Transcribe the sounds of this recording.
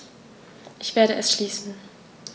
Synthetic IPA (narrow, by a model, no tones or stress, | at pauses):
ʔɪçv̥eːɐɾəʔɛsʃliːsn̩